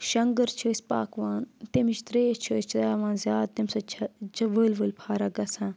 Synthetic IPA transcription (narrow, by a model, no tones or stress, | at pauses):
ʃɐŋɡəɾt͡ʃʰoːsʲpaːkʋaːnt̪emit͡ʃt̪ɾeːt͡ʃʰoːst͡ʃʰdaːʋãːnzjaːd̪̚t̪imsɐt͡ʃʰɐt͡ʃʰɐʋəːlʋəːlʲpʰaːɾaɡɐsãː